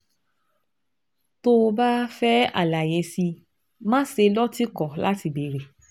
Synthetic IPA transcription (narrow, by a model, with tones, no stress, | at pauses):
to˧ba˦fɛ˦a̰˨la˨je˨˧si˧ | mã˦se˧lɔ˦ti˦kɔ˨la˦ti˧˨be˨ɾe˨